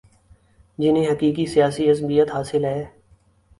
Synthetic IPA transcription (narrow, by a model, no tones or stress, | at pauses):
d͡ʒɪnẽɦɐkiːkisijaːsiɐzbijət̪ɦaːsɪlɦɛː